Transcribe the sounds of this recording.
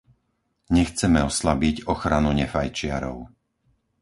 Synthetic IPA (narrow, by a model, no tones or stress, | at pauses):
ɲɛxt͡sɛmɛɔslabiɟɔxɾanuɲɛfajt͡ʃɪaɾɔ̰ʊ